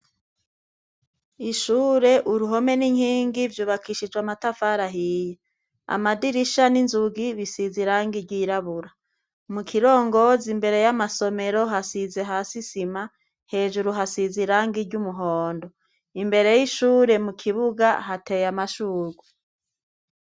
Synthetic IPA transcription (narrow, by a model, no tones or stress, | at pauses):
iʃuːɾe̞ʔuɾuɦo̞me̞niɲhiːŋɡivjuːβakʰiʃid͡ʒwamatafaɾaɦije | a̰madiɾiʃaninzuɡiβisiziɾaːŋɡiɾɟiːɾaβuɾa | mukʰiɾo̞ːŋɡo̞zimbe̞ɾe̞jamaso̞me̞ɾo̞ɦasize̞ɦaːsisima | he̞ːʒuɾuɦasiziɾaŋɡiɾɟumuɦoːndo̞ | imbe̞ɾe̞jiʃuːɾe̞mukʰiβuɡaɦatejamaʃuːɾɡwe